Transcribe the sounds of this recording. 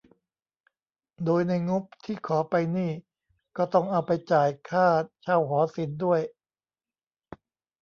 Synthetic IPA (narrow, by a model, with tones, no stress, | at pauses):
doː˧jna˧jŋo˦˥p̚t̪ʰiː˥˩kʰɔː˩˦pa˧jniː˥˩ | kɔː˥˩t̪ɔ˥˩ŋʔa˧wpa˧jt͡ɕaː˨˩jkʰaː˥˩t̪̚t͡ɕʰa˧˥˩wɦɔː˩˦si˩˦ndu˥˩əj